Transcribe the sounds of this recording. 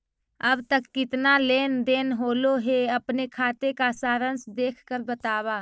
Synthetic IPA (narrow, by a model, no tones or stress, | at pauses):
əbt̪əkːɪt̪naleːnd̪eːnɦoːloɦeɐpnekʰaːt̪ekasaːɾənsd̪eːkʰkəɾbət̪aːwaː